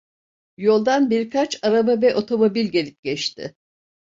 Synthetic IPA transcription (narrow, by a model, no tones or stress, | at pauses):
jo̞lˠd̪anbiɾkʰat͡ʃaɾababɛʔo̞t̪ʰo̞mo̞bilʲɟe̞lʲip̚ɟ̥ɛt͡ʃt̪ʰɪ̰